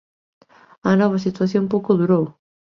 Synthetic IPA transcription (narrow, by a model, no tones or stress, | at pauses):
ɐnɔβ̞ɐsit̪waθjõmpowkoðuɾow